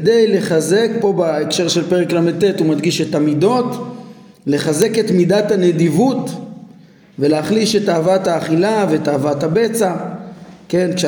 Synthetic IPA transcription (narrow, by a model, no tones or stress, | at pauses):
dejle̞χaze̞k̚po̞baekʃe̞ʁʃelpeʁeklamed̚t̪ːetumad̪ɡiʃetamido̞t | le̞χaze̞ke̞t̪midathaned̪ivut | veleaχliʃe̞taːvathaːχilave̞ːtaːvathabe̞t͡sa | ke̞nkʃe